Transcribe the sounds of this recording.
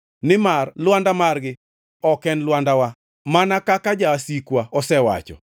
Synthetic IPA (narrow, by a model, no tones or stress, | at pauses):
nɪmarlwandamarɡɪ | ɔkɛnlwandawa | manakakad͡ʒaːsikwaɔsɛwa̰t͡ʃɔ̰